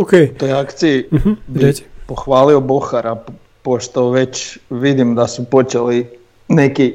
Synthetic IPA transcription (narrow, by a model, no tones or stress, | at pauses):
oket̪ojakt̪siibipoxʋaːlioboxaɾa | poʃt̪o̞ʋe̞t͡ɕʋid̪imd̪asupo̞t͡ʃeli | neki